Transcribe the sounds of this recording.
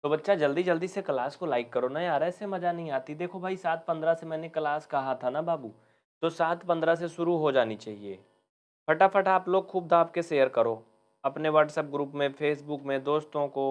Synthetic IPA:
t̪obɐtːʃad͡ʒɐld̪id͡ʒɐld̪isekɐlaːskolaːɪkːɐɾonajaːɾɛːsemɐd͡ʒanɐɦĩaːt̪id̪eːkʰobʱaːisaːt̪̚ʰpɐ̃nd̪ɾasemɛ̃ːnekɐlaːskɐɦat̪ʰanabaːbuː | t̪osaːt̪ʰpɐ̃nd̪ɾaseʃʊɾuɦod͡ʒaːnit͡ʃaːɦiḛː | pʰɐʈafʰɐʈaːploːɡxʰuːb̚d̪ʱaːpkeʃeːjəɾkɐɾoː | ɐpneʋɐːʈsəp̚ɡɾuːpmẽfʰeːsbukmẽd̪oːst̪õko

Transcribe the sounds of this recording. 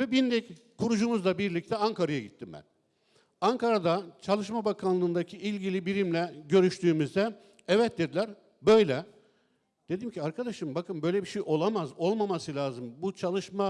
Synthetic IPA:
vɛbind̪ɛc | kʰuɾud͡ʒumuzd̪abiɾlʲic̚t̪ʰɛaŋkʰaɾajaɟit̪ʰːimbæ̰n | aŋkʰaɾad̪at͡ʃʰalˠɯʃmabakʰanlˠɯːnd̪acʰiʔilʲɟilʲibiɾimlʲɛɟø̞ɾyʃt̪ʰyːmyzd̪ɛ | ɛvɛt̪̚d̪ed̪ilʲæɾ | bø̞jlʲɛ | d̪̥e̞d̪imcʰiaɾkʰad̪aʃɯmbakʰɯmbø̞jlʲɛbiʃejʔo̞lˠamazo̞lˠmamasɯlʲaːzɯmbut͡ʃʰalˠɯʃma

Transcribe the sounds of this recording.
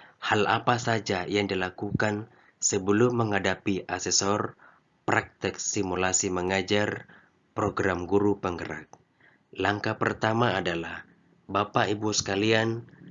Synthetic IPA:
hala̰pasad͡ʒajaŋdilakukan | səbəlʊmːəŋadapiʔasɛsɔr | pɾak̚t̪ɪk̚simulasiməŋad͡ʒar | pɾoɡɾamɡuɾupəŋɡəɾa̰k̚ | laŋkapərt̪amaːdalah | bapaibusə̥kalian

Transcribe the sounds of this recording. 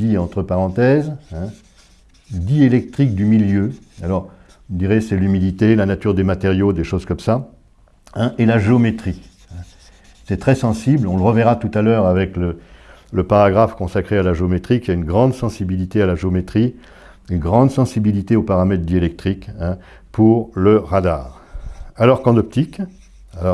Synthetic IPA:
iɑ̃t̪χəpaʁɑ̃t̪ɛzɛ̃ | d̪ielɛk̚t̪χik̚d̪ymiljø | alɔʁ | ud̪iʁesɛlymid̪it̪elanat̪yʁd̪emat̪eʁjod̪eʃozkɔmsa | ɛ̃ʔelaʒeomet̪χi | ɛ̃ | sɛt̪χɛsɑ̃siblɔ̃ləʁəvɛʁat̪ut̪alœːʁavɛklələpaʁaɡʁafkɔ̃sakχealaʒeomet̪χikʲiaynɡʁɑ̃d̪sɑ̃sibilit̪ealaʒeomet̪χi | ynɡʁɑ̃d̪sɑ̃sibilit̪eopaʁamɛt̪̚χd̪ielɛk̚t̪χikɛ̃ | pʰuʁləʁad̪aːʁ | alɔʁkɑ̃d̪ɔp̚t̪ik | alɔ

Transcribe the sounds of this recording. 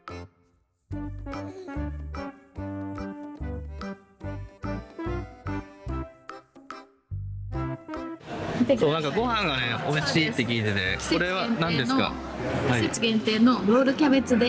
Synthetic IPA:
t̪eso̞ːnãŋkaɡo̞hãŋɡane̞ʔo̞iɕiːt̪ːe̞kʲiːt̪e̞t̪e̞̰̥kseo̞ɾe̞βanãndd̪e̞sɨoka̰ | haiet͡siɡẽ̞nt̪e̞ːno̞ɾoːɾɯ̟kʲabet͡sɨd̪e̞

